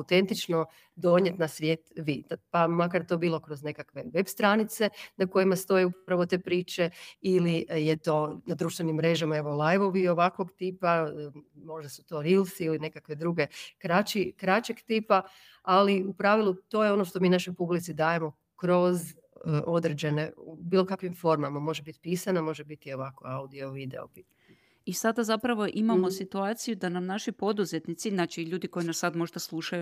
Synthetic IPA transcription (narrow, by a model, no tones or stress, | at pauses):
awt̪e̞nt̪it͡ʃno̞ | d̪o̞ɲet̪nasʋje̞t̪ʋid̪apamakaɾt̪o̞biːlo̞kɾo̞zne̞kakʋe̞ʋe̞bst̪ɾanit̪se̞nako̞jimast̪o̞jeupɾaʋot̪e̞ːpɾiːt͡ʃe̞ilijet̪o̞nad̪ɾuʃt̪ʋenimːɾe̞ʒamaeʋo̞lˠajʋo̞ʋio̞ʋakʋo̞ɡt̪ipa | mo̞ʒd̪asu̥t̪o̞ɾilˠsiiline̞kakʋe̞d̪ɾuɡe̞kɾat͡ʃikɾat͡ʃeɡt̪iːpa | aliupɾaʋilˠut̪o̞ːjeo̞noʃt̪o̞miːnaʃo̞jpublit̪sid̪aːje̞mo̞ | kɾo̞z | ʔo̞d̪ɾed͡ʑe̞ne̞ubiːlˠo̞kakʋimfo̞ɾmamamo̞ʒebit̪piːsanamo̞ʒebit̪io̞ʋakoaud̪io̞ʋid̪eo̰pit̪aɲ | isad̪azapɾaʋo̞ʔimamo̞sit̪uaːt̪sijud̪anamnaʃipo̞d̪uzet̪nit̪sinat͡ʃiʎuːd̪iko̞jinasːad̪mo̞ʒd̪aslˠuʃaju